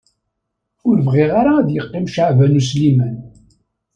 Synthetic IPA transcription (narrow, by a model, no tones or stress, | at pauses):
ʊɾvʁɪʁaɾaːðjəqːɪmʃaʕvænuslimæn